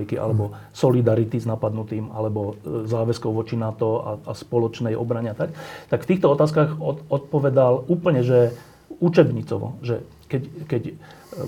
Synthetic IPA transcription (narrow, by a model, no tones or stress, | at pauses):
ikiʔa̰lɛbɔ | sɔlid̪aɾit̪iznapad̪nut̪iːma̰lɛbɔzaːʋɛskɔʊʋɔt͡ʃinat̪ɔa̰aspɔlɔt͡ʃnɛjʔɔ̰bɾaɲɛat̪akt̪akft̪iːxt̪ɔɔt̪aːskaɣɔɔt̪̚pɔʋɛd̪aluːpl̩ɲɛʒɛ | ut͡ʃɛbɲit͡sɔ̰ʋɔ̰ʒɛ | kɛckɛc